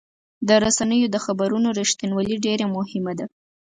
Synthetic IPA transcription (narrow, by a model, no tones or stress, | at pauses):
d̪əɾasanəjod̪əxabaɾunoɾɪʃt̪inwaliɖeɾamʊhɪmad̪a